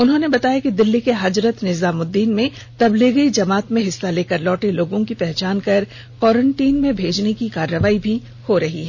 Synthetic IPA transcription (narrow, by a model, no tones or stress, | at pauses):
ʊnɦõnebɐt̪aːjakid̪ɪlːikeɦɐd͡ʒɾət̪nɪzaːmʊd̪ːiːnmẽ | t̪ɐbliːɣid͡ʒɐmaːt̪mẽɦɪsːaleːkɐɾlɔːʈeloːɡõkipɛɦt͡ʃaːnkɐɾ | kɔːɾə̃ɳʈiːnmẽbʱeːd͡ʒnekikaːɾːəʋaːibʱi | hoɾɐɦiɦɛː